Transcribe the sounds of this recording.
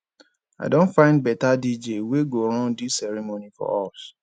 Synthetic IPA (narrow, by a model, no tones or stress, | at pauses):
a̰ɪdõnfãɪ̃nd̚bɛtadid͡ʒeweɡoɾɔ̃ndisɛɾimonifɔ̰ɔs